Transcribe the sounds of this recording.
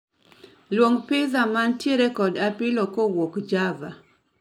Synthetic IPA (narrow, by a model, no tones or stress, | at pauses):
lwoŋpɪzamantjeɾekɔdapɪlokowokd͡ʒava